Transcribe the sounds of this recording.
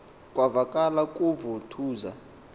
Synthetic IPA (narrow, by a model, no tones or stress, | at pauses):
kʼwavakʼalakʼuvutʰuːza̰